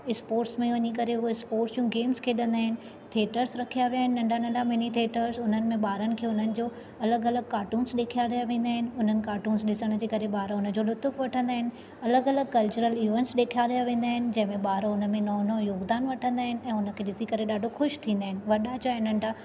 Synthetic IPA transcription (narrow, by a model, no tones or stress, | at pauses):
ɪspoːɾʈsmẽʋɐɲikɐɾeʊoɪspoːɾʈsd͡ʑũɡeːmskʰeːɗɐ̃nd̪aːɦɪnɪ̆ | t̪ʰeːʈəɾsɾɐkʰijaʋijaːɦɪnɪ̆nɐ̃ɳɖʱanɐ̃ɳɖʱamɪnit̪ʰeːʈəɾzʊn̤ənɪ̆mẽɓaːɾənɪ̆kʰeːʊn̤ənɪ̆d͡ʑoː | ɐləɡɐləɡ̚kaːɾʈuːnsɗeːkʰijaɾijaʋẽːnd̪aːɦɪnɪ̆ʊn̤ənɪ̆kaːʈuːnsɗɪsəɽ̃d͡ʑeːkɐɾeɓaːɾʊnə̆d͡ʑolʊt̪ʊfʋɐʈʰə̃nd̪aːɦɪnɪ̆ | ɐləɡɐləɡ̚kɐlt͡ɕʊɾəliːʋẽnʈsɗeːkʰijaɗijaʋẽːn̆d̪aːɦɪnɪ̆d͡ʑɐ̃ɦɪ̃mẽɓaːɾoʊnə̆mẽnɔːnojoːɡd̪aːnʋɐʈʰə̃nd̪aːɦɪnɪ̆ɛ̃ːʊnə̆kʰeːɗɪsikɐɾeɗaːɖʱoxʊʃt̪ʰĩːn̆d̪aːɦɪnɪ̆ʋɐɗat͡ɕaɪnɐ̃ɳɖʱa